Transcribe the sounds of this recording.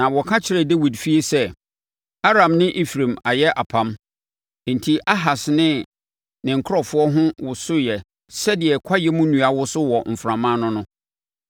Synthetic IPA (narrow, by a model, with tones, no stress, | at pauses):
nã˨wɔ˨kʰã˦t͡ɕʰɪ˨ɾɛ˨de˦wi˨dfi˦e˦sɛ˦ | a˦ɾã˨mnɪ̃˦ʔi˦fɾẽ˨ma˨jɛ˦ʔa˨pʰã˦m | n̩˨tʰi˨ʔa˦ɦa˨snɪ̃˦ | nɪ̃˨ŋ̩˨kʰʊ˦ɾɔ˦fʊ˦ɔ˦ɦʊ̃˦wʊ˨sʊ˦jɛ˨ | sɛ˦dɪ˨ɛ˨kʰa˦jɛ˦mũ˦nũ˨a˨wʊ˦sʊ˦wɔ˨m̩˨fɾã˨mã˦nʊ̃˦nʊ̃˦